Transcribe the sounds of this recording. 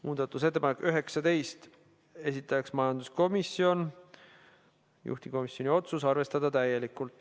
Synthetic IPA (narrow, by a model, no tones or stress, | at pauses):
muːd̪̥ɑt̪ːˑuset̪ːepɑnekːyɦe̞ksɑt̪e̞jst̪ | e̞sʲit̪ːˑɑɑksmɑjɑnd̪̥usko̞misːio̞n | jṵht̪iko̞misjo̞nʲio̞t̪susɑrve̞st̪ɑd̪̥ɑt̪æje̞likːˑult̪ːˑ